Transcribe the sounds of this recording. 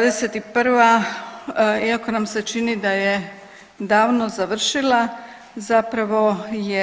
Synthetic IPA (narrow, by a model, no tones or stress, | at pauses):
ad̪ɛsɛt̪ipəɾʋa | iakonamsɛt͡ʃiːnid̪ajɛ | d̪aːwnɔzaʋəɾʃila | zapɾaʋɔjɛ